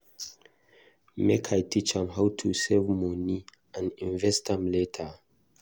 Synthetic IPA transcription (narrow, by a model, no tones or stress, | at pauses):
mekʰajtʰit͡ʃãmɦawtʰusɛvmɔni | ãnĩɱvɛstãmletʰə